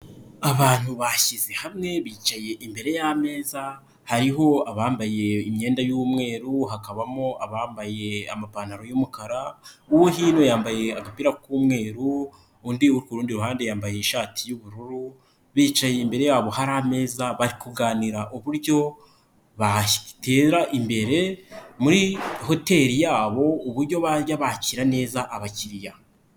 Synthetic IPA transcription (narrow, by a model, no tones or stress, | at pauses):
aβaːn̥huβaçize̞hamŋe̞βiːt͡ʃaje̞ʔimbe̞ɾe̞jame̞ːza | haɾiɦo̞aβaːmbaje̞imɲe̞ːndajuːmŋe̞ːɾuɦakaβamo̞ʔaβaːmbaje̞amapanaɾojumukaɾauwoɦiːno̞jaːmbaje̞aɡapiɾakuːmŋe̞ːɾu | uːndiwuɾikuɾuːndiɾuɦaːnde̞jaːmbajeʃaːtijuβuɾuɾu | βiːt͡ʃajeimbe̞ɾe̞jaːβo̞haɾame̞ːzaβaɾikuɡaːniɾaʔuβuɾjo̞ | βate̞ːɾaʔimbe̞ɾe̞muɾiho̞te̞ɾijaːβo̞uβuɾɟo̞βajaβaciɾane̞ːzaʔaβaciɾija